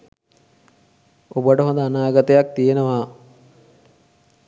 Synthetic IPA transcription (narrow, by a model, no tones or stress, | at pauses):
obəʈəɦond̪əanaːɡat̪əjak̚t̪ijenəʋaː